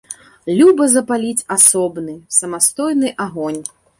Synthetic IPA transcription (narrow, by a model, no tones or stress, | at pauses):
lʲubɐzɐpalʲit͡sʲasɔbnɨsɐmast̪ɔjnɨʔaɣɔnʲ